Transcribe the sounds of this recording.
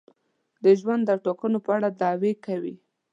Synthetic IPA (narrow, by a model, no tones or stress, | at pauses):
d̪əʒwand̪ːəʈokənopəaɽad̪ɑwekawḭ